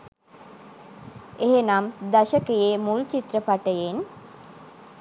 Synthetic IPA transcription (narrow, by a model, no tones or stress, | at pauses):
eɦenamd̪aʃəkəjemult͡ʃit̪rəpaʈəjen